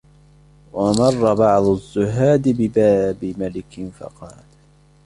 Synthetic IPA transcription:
wɑmɑrˤːɑbɑʕd̪ˤʊzːʊɦaːd̪bɪbaːbɪmalɪkɪnfɑ̰qɑːl

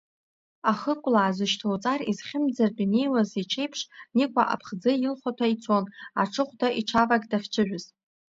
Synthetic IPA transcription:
aχəkʷʼlaːzɨʃtʰowt͡sʼarizχʲɪmd͡zardine̞jwazit͡ʃʰe̞jpʰʂnikʷʰʼaʔa̰pʰχd͡zɨjɪlχʷatʰait͡sʰo̞naʈ͡ʂʰɨχʷdaʔiʈ͡ʂʰavaɡdaχʲt͡ʃʰɨʒʷᶣʊz̥

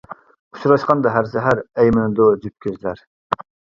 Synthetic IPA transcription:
u̥ʃʰuɾɑʃqɑnd̪ɑɦæɾsɛɦæɾɛjmɪnɨd̪od͡ʒyp̚kʲyzlæɾ

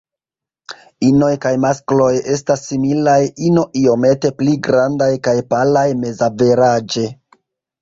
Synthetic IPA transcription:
ino̞jkajmasklo̞je̞s̬tasːimilajino̞ʔio̞me̞te̞pliɡɾandajkajpalajme̞zave̞ɾad͡ʒe̞

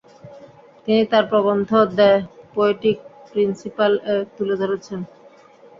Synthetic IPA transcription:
t̪init̪aɾpɾɔbond̪ʱod̪ɛepɔeʈik̚pɾinsipalet̪uled͡ʑaɾot͡ɕʰen

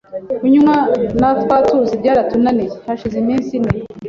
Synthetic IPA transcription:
kuɲumwanatwaːtuzibɟaːɾatunanejehaʃizeniːnsine

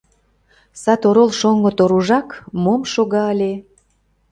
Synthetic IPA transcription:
sɑt̪oɾolʃoŋɡot̪oɾuʒɑkmomʃoɣɑəlʲe

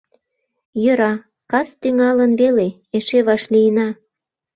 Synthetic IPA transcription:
jø̆ɾɑ | kɑst̪yŋɑlənβele | eʃeβɑʃlijənɑ

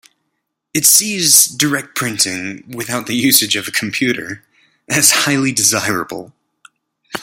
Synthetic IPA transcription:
ɨtsizdə˞ɛk̚t̚pʰɹ̥ɪ̃ntʰɪ̃ŋwɨθaʊt̪̚ðɨjʉsɨd͡ʒʌvɨkʰm̩pʰj̥ʉɾə̰˞ | ʔɨz̥haɪlˠidɨzaɪɹɨ̰bl̩ˠ

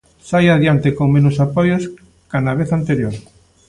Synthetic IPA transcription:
sajaðjant̪ekoŋmenosapojos | kanaβ̞eθant̪eɾjoɾ

